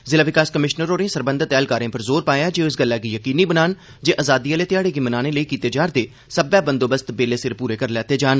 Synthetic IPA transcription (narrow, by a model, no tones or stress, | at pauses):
zɪlaːʋɪkaːskəmɪʃnəɾoːɾẽːsəɾbə̃nd̪t̪ɛːlkaːɾẽːpəɾzoːɾpaːjaːd͡ʒeːɪsɡəlːɛːɡiːjəkiːniːbənaːn | d͡ʒeːʔaːzaːd̪iːaːleːt̪ɪjaːɽeːɡiːmənaːneːləiːkiːt̪eːd͡ʒaːɾd̪eː | səbaːbənd̪oːbəst̪beːleːsɪɾpuːɾeːkəɾlɛːt̪eːd͡ʒaːn